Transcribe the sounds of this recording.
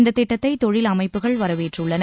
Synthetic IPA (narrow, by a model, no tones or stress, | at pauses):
nd̪ɐt̪ːɪʈːɐt̪ːɐɪt̪ːɔɻɪlɐmɐɪpːɯɣɐɭʋɐɾɐʋeːʈrʊɭːɐn